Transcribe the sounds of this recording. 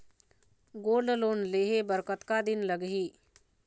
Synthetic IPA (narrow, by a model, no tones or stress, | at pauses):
ɡoːɾɖloːnleːɦebəɾkət̪kad̪ɪnləɡɦiː